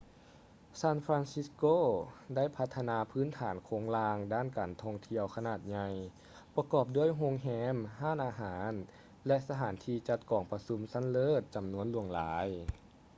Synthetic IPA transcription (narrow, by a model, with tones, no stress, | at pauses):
saː˧˥˨nfɾaː˧nsi˧˥skoː˧˥˨da˥˩˨jpʰa˧t̪ʰːa˧naː˧pʰɯː˧˥˨nt̪ʰaː˩˦nkʰoː˨˩˦ŋlaː˧ŋdaː˥˩˨nkaː˨˩nt̪ʰɔː˧ŋt̪ʰi˧əwkʰa˧naː˨˩t̪̚ɲa˧j | pa˧kɔː˨˩p̚du˥˩əjɦo˧˥ŋɦɛː˧˥mhaː˥˩˨nʔaː˧ɦaː˩˦n | lɛ˧ʔsa˧t̪ʰaː˩˦nt̪ʰiː˧t͡ɕa˧˦t̪̚kɔː˨˩ŋpa˧su˧˦msa˧˥˨nlɤː˧˥˩t̪̚t͡ɕa˨˩mnu˧˥ənlu˧˩əŋlaː˨˦j